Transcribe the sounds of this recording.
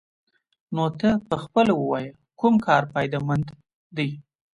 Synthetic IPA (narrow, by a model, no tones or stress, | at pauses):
not̪əpəxpəlawəwɑjə | kumkʰɑɾpɑjd̪ɑmand̪ | d̪əj